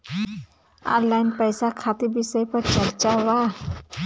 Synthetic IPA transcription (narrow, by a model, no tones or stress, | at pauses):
ã̰ːnlaːɪnpəjsakʰaːt̪ibɪsəjpɐɾt͡ʃɐɾt͡ʃaʋa